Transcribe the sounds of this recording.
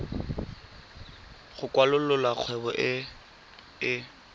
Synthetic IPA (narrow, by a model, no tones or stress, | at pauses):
χʊkʼwalʊlʊlaq͡χʰwɛbɔʔɪ | ɪ